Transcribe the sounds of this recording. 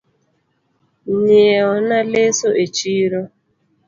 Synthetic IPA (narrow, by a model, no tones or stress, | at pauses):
ɲeeɔnalesoʔet͡ʃiɾo